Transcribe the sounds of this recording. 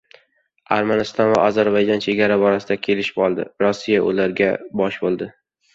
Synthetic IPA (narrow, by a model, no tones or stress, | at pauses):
aɾmanɪst̪ʰɒnvaʔɒzaɾbajd͡ʒɒnt͡ʃʰe̞ɡʲaɾabɒɾasɪd̪akʲʰe̞lɪʃɪ̥pɒlˠd̪ɪ̰ɾɒsːijaʔʊ̰laɾɡʲabɒʃbolˠd̪ɪ